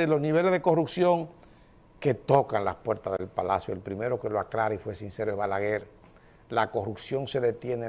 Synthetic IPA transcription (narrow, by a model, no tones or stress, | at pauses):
elo̞sniβ̞e̞lezðeko̞rupsjo̞ŋ | ke̞t̪o̞kanlaspwe̞ɾt̪azðe̞lpalasjoelpɾime̞ɾo̞ke̞loaklaɾaifwe̞sinse̞ɾoeβalaɣeɾ | lako̞rupsjo̞ŋse̞ðe̞t̪je̞ne